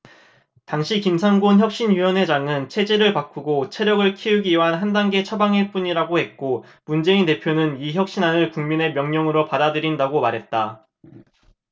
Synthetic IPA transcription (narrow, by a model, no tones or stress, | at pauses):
taŋɕʰikimsʰaŋɡonçjʌk̚ɕ͈inɥiwʌnɦe̞d͡ʑaŋɯnt͡ɕʰe̞d͡ʑe̞ɾɯɭpak͈uɡot͡ɕʰe̞ɾjʌɡɯɭkʰiuɡiuɦanɦandaŋɡe̞t͡ɕʰʌbaŋɦeɭp͈uɲiɾaɡohe̞t̚k͈o | mund͡ʑe̞inte̞pʰjonɯniçjʌk̚ɕ͈inanɯɭkuŋmine̞mjʌŋɲʌŋɯɾopadadɯɾindaɡomaɾɦe̞t̚t͈a